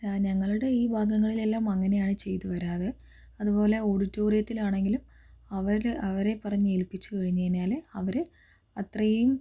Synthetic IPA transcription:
aːɲɐŋːɐɭuɽe̞iːbʱaːɡɐŋːɐɭile̞lːaːmɐŋːɐne̞jaːɳɨt͡ɕe̞jt̪uʋɐɾaːðe | ɐðupo̞ːle̞oːɽitːo̞ːrijɐt̪ːilaːɳe̞ŋɡilum | ɐʋɐɾilɐʋɐɾe̞pːɐrɐɲːɨelpit͡ɕːukɐɻiɲːɐðinaːleɐʋɐɾɨ | ɐt̪rɐjum

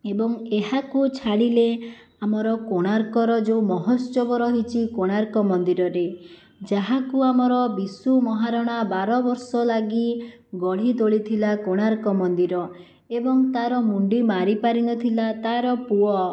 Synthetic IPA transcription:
ebɔŋeɦakut͡ʃʰaɽile | amɔɾɔkoɽ̃aɾkɔɾɔd͡ʒeumɔɦɔst͡ʃɔbɔɾɔɦit͡ʃʰikoɽ̃aɾkɔmɔnd̪iɾɔɾe | d͡ʒaɦakuamɔɾɔbisumɔɦaɾɔɽ̃abaɾɔbɔɾsɔlaɡi | ɡɔɽ̤it̪oɭit̪ʰilakoɽ̃aɾkɔmɔnd̪iɾɔ | ebɔŋt̪aɾɔmuɳɖimaɾipaɾinɔt̪ʰilat̪aɾɔpuɔ

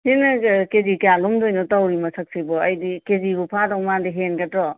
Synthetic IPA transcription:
henɐkezikjalumdojnɔtawɾimɐsɐk̚sibɔɐjdikezibupʰadɔwmandiɦenɡɐtɾɔ

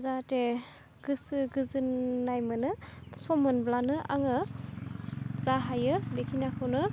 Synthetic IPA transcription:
zate | ɡ̥ɯsɯɡɯzɯnːajmɯnɯsɔmɯnblanɯʔaŋɯ | zaɦajɯbekʰinakʰɯwnɯ

